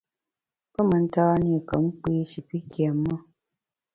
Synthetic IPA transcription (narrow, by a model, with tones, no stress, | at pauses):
pə˦mə˨n̩˦taː˦ni˦˨kə˨m̩˦k͡piː˦ʃi˨pi˦kʰjɛ˨mːə˦